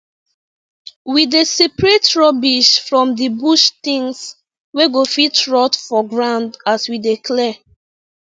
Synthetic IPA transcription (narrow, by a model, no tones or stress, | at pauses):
widesipɹetɹɔbiʃfɹɔ̃mdibuʃtĩŋs | weɡofitɹɔtfɔɡɹãʊ̃ndaswidekʰlɛ